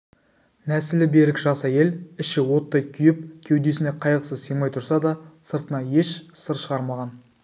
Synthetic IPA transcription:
næsɪlɪbe̞ɾɪkʒɑsæje̞lɪʃewo̞t̪ːɑjkʲʰʏjɪp̚kʲʰewd̪e̞sɪne̞qʰɑjʁəsəzsijmɑjt̪ʰʊɾsɑd̪ɑsəɾt̪ənɑje̞ʃsəɾʃəʁɑɾmɑʁɑn

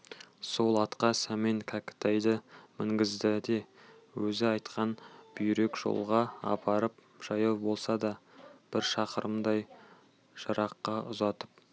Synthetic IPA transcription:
so̞lˠɑt̪qɑsæmeŋkʰækʲɪ̥t̪ʰɑjd̪əmɪŋɡʲɪzd̪ɪd̪e̞wɵzɪɑjt̪qɑnb̥ʏjɾe̞kʒ̥o̞̰lˠʁɑɑ̰pʰɑɾəp | ʒ̥ɑjɑwbo̞lˠsɑd̪ɑb̥ɪɾʃɑqəɾəmd̪ɑj | ʒ̥ɑɾɑqːɑʊzɑt̪əp̚

